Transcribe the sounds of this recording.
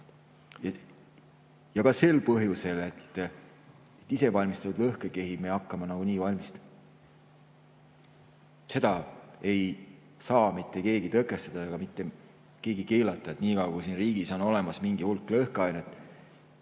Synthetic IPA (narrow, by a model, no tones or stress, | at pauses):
jɑ | jɑkɑse̞lpɤɦjuse̞le̞t̪ːˑ | e̞t̪ːˑise̞vɑlʲmist̪ɑt̪ud̪lɤhkeke̞ɦimeɑkːɑmɑnɑɡ̥uniːvɑlʲmist̪ | se̞d̪̥ɑe̞j | sɑːmit̪ˑːe̞ke̞ːɡit̪ɤkːˑe̞st̪ɑd̪̥ɑeɡ̥ɑmit̪ːe̞ | ke̞ːɡ̥ike̞ːlɑt̪ˑːɑet̪ːˑniːkɑwkujsinriːɡ̥isono̞le̞mɑsmiŋɡ̥ihulkːˑlɤhkɑjnet̪ːˑ